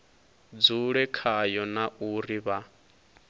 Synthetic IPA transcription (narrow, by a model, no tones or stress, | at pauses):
d͡zuɺɛkʰajɔnaʔuriβa